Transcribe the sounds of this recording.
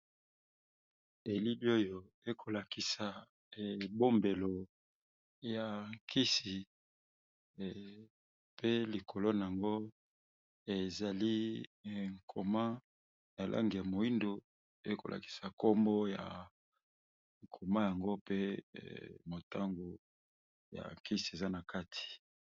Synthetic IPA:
e˨li˦li˦o˦jo˨ | e˦kʰo˨la˨ki˨sa˨ | bo˦mbe˨lo˨ | ja˨ŋkʰi˦si˨ | pe˦li˨kʰo˨lo˦na˨a˨ŋɡo˦ | e˨za˨li˦˨ | ŋ˨kʰo˨ma˦ | na˨lʔa̰˦ŋɡja˨mo˨i˦ndo˨ | pe˦ko˨la̰˨ki̥˨sa˨ko˦mbo˦ja̰˨ | ŋ˨kʰo˨ma˦ja˨ŋɡo˦pḛ˦ | mo˨tʰa˦ŋɡo˨ | ja̰˨ŋki˦si˨e˨za˦na˨ka˦tʰi̥˨

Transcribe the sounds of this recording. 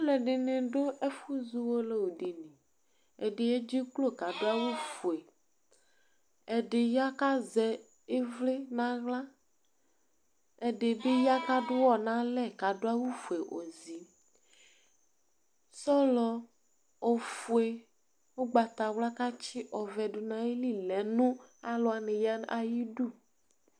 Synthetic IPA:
o˦lɛ˨ɖe˨nẽ˨ɖo˦ʔe˦fu˦zu˦wo˦le˦wo˨ɖe˨nẽ˨ | e˨ɖe˨e˦d͡ʒi˦klo˦ka˨ɖo˦a˦wu˦fu˨e˨ | ɛ˨ɖe˨ja˦ka˦zɛ˨ | e˦vle˦nã˦ɣla˦ | ɛ˨ɖe˨be˦ja˦ka˦ɖʊ˦wɔ˦nã˦lɛ˦˨ɡa˨do˦a˦wu˦fu˨e˨ʔo˨zi˨ | sɔ˦lɔ˨ | o˨fu˨e˨ | wo˦ɡ͡ba˨t̪a˨wla˦ka˦t͡ʃi˦ʔɔ˨vɛ˨ɖʊ˨nã˨je˦li˦˨lɛ˨˦nũ˦a˨lɔ˨˦a˨nẽ˨ja˦na˨ji˦ɖu˦˨

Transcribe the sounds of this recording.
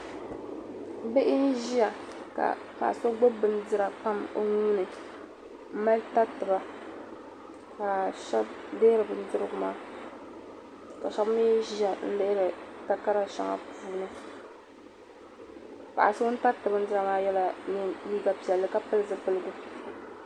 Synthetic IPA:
be˦ʔɪ˦n̩˦ʒi˦ja˨ | ka̰˨ | pa̰˨ʔa̰˨so˦ɡ͡bo˦bɨ˦n̩˦dɨ˦ɾa˨k͡pa˦mo˦nu˦nɨ˨ | m̩˦ma˦lta˦tɨ˨ba˦ | ka˨ʃɛ˦b̚de˦ɾɨ˨bɨ˨n˦dɨ˦ɾɨ˦ɡʊ˨maː˦ | ka˨ʃɛ˦bmi˦ʒi˦a˨n̩˦le˦ɾɨ˨ta˦ka˦ɾa˨ʃa̰˦ŋa̰˨puː˦nɨ˦ | pa̰˨ʔa˨so˦n̩˦ta˦tɨ˨bɨ˨˦n̩˦dɨ˦ɾa˨maː˦jɛ˦la˨nɨ˨jiː˦ba˦pi˨ɛ˨lːɨ˨ka˦pɨ˦lɨ˦zɨ˦pɨ˦lɨ˨ɡu˨

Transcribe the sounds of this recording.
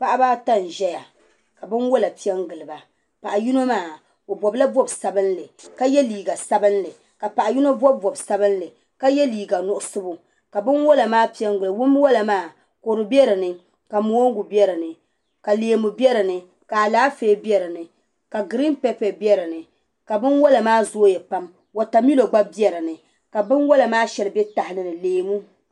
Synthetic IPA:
pa˦ʔa˦baː˦ta˦n˨ʒɛ˦ja˨ | ka˨bɨ˦nwo˦la˨pi˦ɛ˦ŋɡɨ˨lɨ˨ba˨ | pa˨ʔa˨ju˦no˦maː˦˨ | o˨bɔ˨bla˦bɔ˦bsa˨bɨ˦nlɨ˨ka˦jɛ˦liː˨ɡa˨sa˦bɨ˦n˦lɨ˨ | ka˨pa˨ʔa˨ju˦no˦bɔ˦bːɔ˨bsa˦bɨ˦n˦lɨ˨ | ka˦jɛ˦liː˨ɡa˨nʊ˦ʔʊ˦sɨ˦bu˨ | ka˨bɨ˦nwo˦la˨maː˦pi˦ɛ˦ŋɡɨ˨lɨ˨wʊ˦m˦wɔ˦la˨maː˦˨ | ko˨ɾɨ˨bi˦ɛ˦ɾɨ˨nɨ˨ | ka˨mo˨˦o˦ŋ˦ɡu˨bɛ˦ɾɨ˨nɨ˨ | ka˨leː˨mu˨bjɛ˦ɾɨ˨nɨ˨ | ka˨a˨laː˦feː˦bjɛ˦ɾɨ˨nɨ˨ | ka˨ɡɨ˨ɾi˦npɛ˦pɛ˨bjɛ˦ɾɨ˨nɨ˨ | ka˨bɨ˦nwɔ˦la˨maː˦zoː˦jɛ˨pa˦m | wa˨ta˨mi˦lo˨ɡ͡ba˦bi˦ɛ˦ɾɨ˨nɨ˨ | ka˨bɨ˦nwɔ˦la˨maː˦ʃɛ˨lɨ˨bɛ˦ta˨hɪ˦nɨ˨nɨ˨leː˨mu˦

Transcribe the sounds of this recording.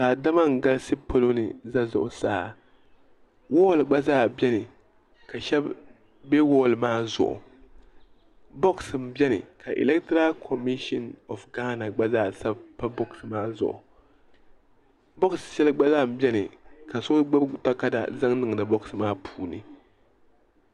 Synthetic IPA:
saː˨da˦ma˦ŋ̩˨ɡa˦lsɨ˦po˦lo˦nɨ̰˨za˦zʊ̰˨ʔʊ˨saː˦˨ | wɔː˦˨lɡ͡ba˦zaː˦˨bɛ˦nɨ˨ | ka˨ʃɛ˦b | bɛ˦wɔː˦˨lmaː˦zʊ̰˨ʔʊ̰˨ | bo˦ksɨ˨m̩˦bɛ˦nɨ̰˨ka˨ʔḭ˨lɛ˦ktɾa˦kʰo˨mi˦ʃɔ˦nɔ˨fɡaː˦na˨ɡ͡ba˦zaː˦˨sa˦bpa˦bo˦ksɨ˨maː˦zʊ̰˨ʔʊ̰˨ | bɔ˦kssɛ˦lɨ˦ɡ͡ba˦zaː˦˨m̩˨bjɛ˦nɨ˨ka˨sʊ˦ɡ͡ba˦ta˦ka˦da̰˨za˦ŋnɨ˨ŋ˨nɨ˨bɔ˦ksɨ˨maː˦pʰuː˦nɨ̰˨

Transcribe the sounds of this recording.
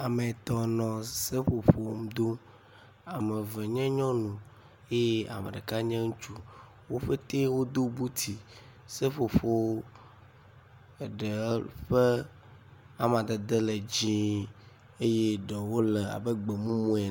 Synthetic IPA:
a˨me˨t̪ɔ˨nɔ̃˨se˦ɸo˨ɸo˨˦mu˦d̪o˦ | a˨mɛ˨vɛ˨ɲɛ̃˦ɲɔ̃˦nũ˨ | e˦je˦a̰˨mḛ˨ɖe˨ka˦ɲɛ̃˦ŋũ˦t͡ʃu˦ | wo˦ɸe˦t̪e˦wo˦d̪o˦bu˦t̪ʰi˨ | se˦ɸo˨ɸo˦˨ | ɖe˨˦ɸe˦ | a˦mã˨d̪e˨d̪e˦le˨d͡ʑĩ˦ | e˦je˦ɖɔ˨wo˦le˨a̰˨be˦ɡ͡be˨mũ˦mũ˦ɛ˨

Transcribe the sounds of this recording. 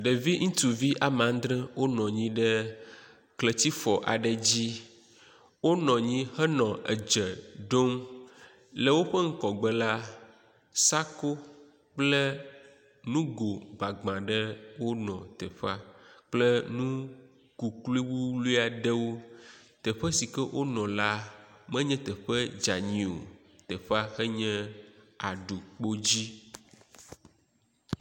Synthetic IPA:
ɖe˨vi˦ŋ̩̃˦t̪u˨vi˦ʔa˨mã˨ŋ˦d̪ɾɛ̃˦wo˦nɔ̃˨ɲĩ˦ɖɛ˦ | kle˨t̪i˦fɔ˨ʔa˨ɖɛ˨d͡ʑi˦ | wo˦nɔ̃˨ɲĩ˦hɛ˦nɔ̃˨ʔḛ˨d͡ʒɛ˨ɖo˦m | lə˨wo˦ɸɛ˦ŋ̩˦kɔ˨ɡ͡bɛ˨la˦ | sa˦ko˦ | k͡plɛ˦ | nũ˦ɡo˨ɡ͡ba˨ɡ͡bã˨ɖɛ˦wo˦nɔ̃˨t̪ɛ˨ɸa˦k͡plɛ˦nũ˦ | ku˨kli˦wu˦lu˦a˨ɖɛ˦wo˦t̪ɛ˨ɸɛ˦si˨kɛ˦wʔo˦nɔ̃˨la˦mɛ̃˦ɲɛ̃˦t̪ɛ˨ɸɛ˦d͡ʒa˨ɲ̃ĩ˨o̰˨ | t̪ɛ˨ɸa˦xɛ˦ɲɛ̃˦ | a˨ɖu˨k͡po˦d͡ʑi˦

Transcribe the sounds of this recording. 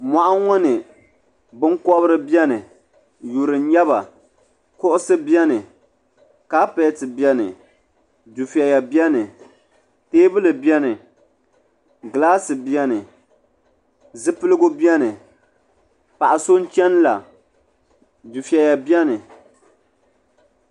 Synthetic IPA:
ma˨ʔa˦ŋɔ˦nɨ˨ | bɨ˦ŋkɔ˦βɨ˦ɾɨ˦bjɛ˦nɨ˨ | ju˨ɾɨ˨˦ɲɛ˦βa˨ | kʊ˦ʔʊ˦sɨ˦bjɛ˦nɨ˨ | ka˦pe˦tɨ˨bɛ˦nɨ̰˨ | du˨fi˨ɛ˨ja˨bɛ˦nɨ˨ | teː˦bɨ˦lɨ˨bi˦ɛ˦nɨ˨ | ɡɨ˨laː˦sɨ˨bjɛ˦nɨ˨ | zɨ˦pɨ˦lɨ˦ɡʊ˦bjɛ˦nɨ˨ | pa˨ʔa˨so˦n̩˦t͡ʃɛ˦n˦la˨ | du˨fi˨ɛ˨ja˨bjɛ˦nɨ˨

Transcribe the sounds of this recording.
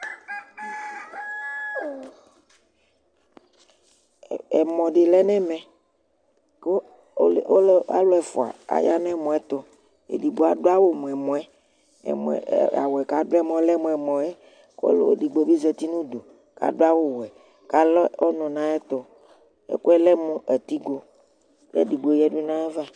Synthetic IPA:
ɛ˨mɔ̃˨ɖe˨lɛ˦nɛ̃˦mɛ̃˨ | ko˦˨ | o˦la̰˦lɔ˦ɛ˨fo̰˨a̰˨a̰˨ja˦nɛ̃˦˨mɔ̃˨ɛ˦t̪o˦ | ḛ˨di˨bo˨˦a˦ɖo˦a˦wo˦m˨ɛ˨mɔ̃˨ɛ̰˦˨ | m̰˨a̰˨wo˨ɛ˨ka˨˦do˦ɛ˦mɔ̃˦lɛ˦mɔ̃˨ɛ˨mɔ̃˨ɛ˦ | ko̰˦lo̰˦ɖi˨ɡ͡bo˨bi˦ze˦t̪i˦nũ˦do˨ | ka̰˨ɖo˦a˦wo˦wɛ˨ | ka˦lɔ˦ɔ˦nɔ̃˨nã˦ɛ˦t̪o˦ | ḛ˦ko˦ɛ˦lɛ˦mũ˦ʔe˨t̪i˦ɡo˦ | lḛ˦di˨ɡ͡bo˨jɛ˦ɖu˦nã˦e˦va˦

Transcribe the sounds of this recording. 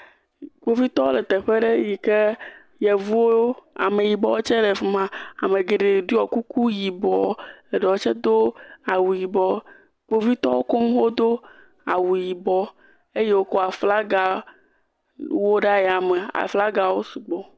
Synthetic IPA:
ɡ͡bo˦vi˦t̪ɔ˦le˨t̪ɛ˨ɸe˦ɖe˦ji˨ke˦ | jɛ˨vu˦wo˦o˦a̰˨me˨ji˨bɔ˦wo˦t͡ʃɛ˦le˨fi˨mã˨a̰˨me˨ɡe˨ɖe˨ɖu˦ɔ˨ku˦ku˦ji˨bɔ˨le˨ɖɛ˨wo˦t͡ʃɛ˦d̪o˦a˨wu˨ji˨bɔ˦ | ɡ͡bo˦vi˦t̪ɔ˦wo˦ko˦mũ˦xo˦d̪o˦ | a˨wu˨ji˨bɔ˦ | e˦je˦wo˦kɔ˦a˨fla˦ɡa˨ | wo˦ɖa˦jɛ˨a˨me˨a̰˨fla˦ɡa˨wo˦su˨ɡ͡bɔ˨

